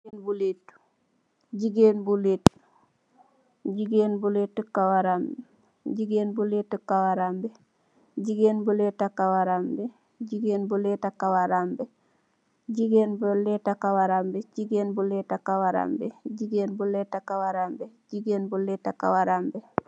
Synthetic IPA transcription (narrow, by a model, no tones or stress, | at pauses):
nbulet | ɟiɡeːnbuleːt | ɟiɡeːnbuletːəkawaɾam | ɟiɡeːnbuletːəkawaɾambe | ɟiɡeːnbuletakawaɾambe | ɟiɡeːnbuletakawaɾambe | ɟiɡeːnbuletakawaɾambeɟiɡeːnbuleːtakawaɾa̰mbeɟiɡeːnbuletakawaɾambe | ɟiɡeːnbuleːtaka̰waɾambe